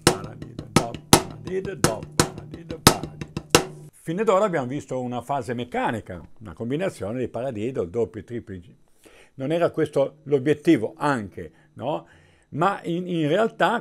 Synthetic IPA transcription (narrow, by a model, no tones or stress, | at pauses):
aɾa̰d̪id̪d̪ɔpaɾ̰d̪id̪d̪ɔpaɾa̰d̪id̪pad̪ifined̪oːɾaːbjaːmovist̪ounafaːzemekːaːnika̰una̰kombinat̪sːjoːned̪ejpaɾad̪iːd̪old̪opjoit̪ɾiplid͡ʒi | nonɛːɾakwest̪olobjet̪ːiːvoʔaŋkʰḛ | nɔ | maininrealt̪a